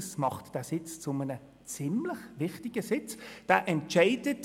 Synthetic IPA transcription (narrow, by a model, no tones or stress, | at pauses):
smɑχtd̥æːsɪt͡st͡sʊmənə | t͡sɪmləχʋɪχtɪɡ̥əsɪt͡sd̥æːʔɛntt͡ʃaɪd̥ət